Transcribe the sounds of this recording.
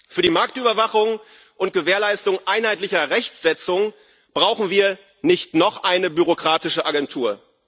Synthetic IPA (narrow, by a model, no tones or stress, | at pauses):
fyːɐdiːmaɐk̚tʔyːbɐvaχʊŋ | ʔʊnt̚ɡ̥əveːɐlaɪstʊŋʔaɪnhaɪtlɪçɐʁɛçt͡sz̥ɛt͡sʊŋ | b̥ʁaʊxn̩viːɐ | nɪçtnɔχʔaɪnəbyʁokʁ̥aːtɪʃəʔaɡɛntʰuːɐ